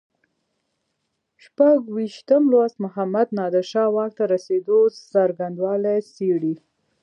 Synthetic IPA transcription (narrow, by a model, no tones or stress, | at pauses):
ʃpaɡwiʃt̪əmlwasmʊɦamad̪nɑd̪əɾʃɑwɑk̚t̪aɾased̪osaɾɡand̪wɑlaseɽi